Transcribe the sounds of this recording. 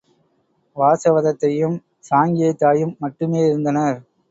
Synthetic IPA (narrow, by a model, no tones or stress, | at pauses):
ʋaːsɐʋɐðɐt̪ːɐjɯm | saːŋɡɪjɐt̪ːaːjɯmːɐʈːɯmeːɪɾɯnd̪ɐnɐɾ